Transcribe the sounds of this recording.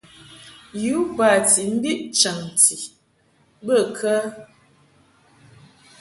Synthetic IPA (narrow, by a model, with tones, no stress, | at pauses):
ju˨˦ba˨ti˨m̩˦bi˦ʔt͡ʃə˨ŋ˨ti˨ | bə˦˨kʰə˦